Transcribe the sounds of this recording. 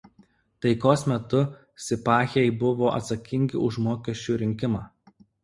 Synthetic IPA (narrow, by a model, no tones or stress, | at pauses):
t̪ɐɪkoːsmʲɛt̪ʊ | sʲɪpɑːxʲeɛɪbʊʋoːʔɐ̰t̪sɐkʲɪŋʲɡʲɪ̰ʊʃmoːkʲɛʃʲt͡ʃʲuːɾʲɪŋʲkʲɪmɑː